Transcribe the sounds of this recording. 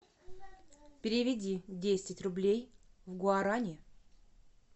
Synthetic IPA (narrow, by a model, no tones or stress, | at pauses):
pʲɪɾʲɪvʲɪdʲidʲesʲɪtʲrʊblʲejvɡʊaɾanʲɪ